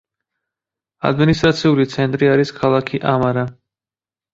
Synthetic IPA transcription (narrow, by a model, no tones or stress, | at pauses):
a̰d̪minist̪ʼɾat̪sʰiulit̪sʰɛnt̪ʼɾiaɾiskʰalˠakʰiʔamaɾa